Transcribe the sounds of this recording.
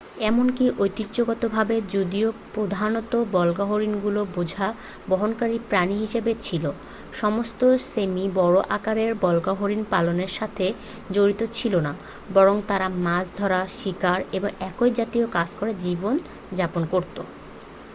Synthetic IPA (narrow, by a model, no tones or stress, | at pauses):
ɛmonkiʔojt̪ːit̪ːɕoɡɔt̪obʱabed͡ʑod̪iopɾod̪ʱanot̪obɔlɡaɦoɾinɡulobod͡ʑʱa | bɔɦonkaɾipɾaniɦiʃebet͡ɕʰilo | ʃɔmost̪osemibɔɽoʔakaɾeɾbɔlɡaɦoɾinpaloneɾʃat̪ʰe | d͡ʑoɾit̪ot͡ɕʰilona | bɔɾoŋt̪aɾamad͡ʑd̪ʱɔɾaʃikaɾeboŋɛkojd͡ʑat̪iokad͡ʑkoɾed͡ʑibon | d͡ʑaponkoɾt̪o